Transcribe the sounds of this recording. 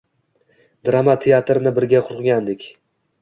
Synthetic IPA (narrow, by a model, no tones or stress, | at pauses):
d̪ɾamat̪ʰeat̪ʰɾɪnɪbɪɾɡʲaqʰʊɾqɡʲand̪ɪkʲ